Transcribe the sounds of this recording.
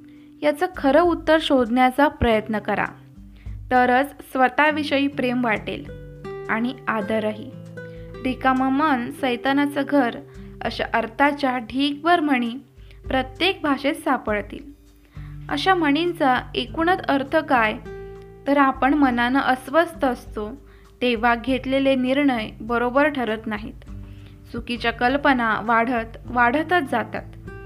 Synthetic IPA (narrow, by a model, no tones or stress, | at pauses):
jat͡səkʰəɾəut̪ːəɾɕod̪ʱnjat͡sapɾəjət̪nəkəɾa̰ | t̪əɾət͡ssʋət̪aʋiɕəjiːpɾemʋaʈḛlaɽ̃iad̪əɾaɦḭːd̪ikaməmənsəjt̪anat͡səɡʱəɾə̰ɕa̰ʔəɾt̪ʰat͡ɕjaɖʱiːkʋəɾm̤əɽ̃iːpɾət̪jek̚bʱaʂesapəɭt̪ḭːl | ə̰ɕaməɽ̃int͡saekuɳət̪əɾt̪ʰəkajt̪əɾapəɳmənanəʔəsʋəst̪əːst̪o | t̪eʋ̤aɡʱet̪leleniɾɳəjbəɾobəɾʈʰəɾət̪naɦḭt̪ | sukit͡ɕjakəlpənaʋaɽ̤ət̪ʋaɽ̤ət̪ət̪̚d͡zat̪at̪